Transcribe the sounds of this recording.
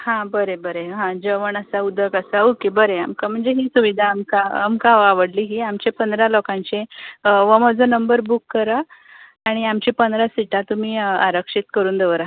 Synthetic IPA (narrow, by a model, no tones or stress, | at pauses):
hãbəɾebəɾeɦãd͡ʑəʋəɳəsaud̪ʱəkəsaukebəɾeamkam̤əɳd͡zeɦisuʋid̪ʱaːmkaːmkaaʋəɽliːɦiamt͡ɕepənd̪ɾalɔkãɲt͡ɕeʋəmɔd͡zənəmbəɾbukːəɾa | aɽ̃iamt͡ɕipənd̪ɾasiʈat̪um̤iːaɾəkʂit̪kəɾuːnd̪eʋəɾa